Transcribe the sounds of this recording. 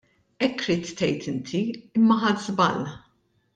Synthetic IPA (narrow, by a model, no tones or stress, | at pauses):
ɛkːɾiːt̪ːɛjt̪ʰɪnt̪ʰiɪmːɐħɐt̪zbɐl